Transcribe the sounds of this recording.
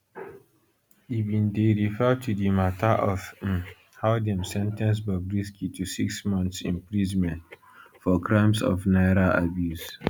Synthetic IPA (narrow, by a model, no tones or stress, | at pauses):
ivĩndeɹifɛtʰudimataʔɔf̩ | haʊdɛ̃msɛ̃ntɛ̃ns̬babɹiskʰitʰusiksmɔ̃nθsḭ̃mpɹizmɛ̃nt | fɔkʰɹãɪ̃msɔ̰fnaɪɾaa̰bjus